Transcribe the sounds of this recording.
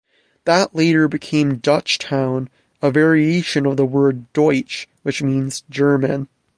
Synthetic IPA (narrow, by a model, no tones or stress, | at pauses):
ðəʔleɪɾə˞bɨkʰẽɪ̃mdʌt͡ʃtʰãʊ̃n | əvɛɹieɪʃɨ̃nʌvðəwɜ˞ddɔɪt͡ʃwɨt͡ʃmĩnzd͡ʒɜ˞mɨ̰̃n